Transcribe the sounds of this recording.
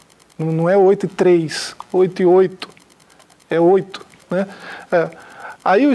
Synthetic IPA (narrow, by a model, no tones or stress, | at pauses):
nɐ̃nɐ̃w̃ɛojt̪ʊɪt̪ɾejsojt̪ʊiojt̪ʊ̥ | ɛojt̪ʊ̥ | nɛɛaiʊ